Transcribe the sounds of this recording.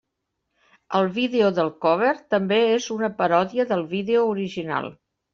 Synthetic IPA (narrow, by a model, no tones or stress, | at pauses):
əlˠβiðeoðəlˠkɔβ̞əɾt̪əmbeezunəpəɾɔðiəðəlˠβiðeouɾiʒina̰lˠ